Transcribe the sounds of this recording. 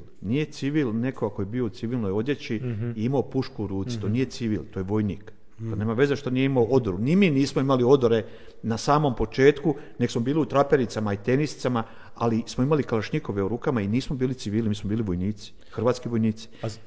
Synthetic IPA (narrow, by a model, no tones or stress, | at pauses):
nije̞t̪siʋilne̞koɡako̞jebiːo̞ut̪siʋilˠnojo̞d̪je̞t͡ɕiiimaopuʃkuuɾuːt̪si̥t̪o̞nije̞t̪siʋḭlt̪ojeʋo̞jniːk | t̪oneːmaʋe̞zeʃt̪onijeimaoʔo̞d̪oɾunimiːniːsmoimalio̞d̪oɾe̞ | nasaːmo̞mpo̞t͡ʃe̞ːt̪kune̞ksmo̞biːliut̪ɾapeɾit̪samait̪e̞nisi̥t̪sama | a̰lismoimalikalaʃɲiko̞ʋeoɾuːkamainiːsmo̞biːlit̪siʋiːlnimiːsmobiːliʋo̞jniːt̪si̥ | xɾr̩ʋaːt̪skiʋo̞jniːt̪si̥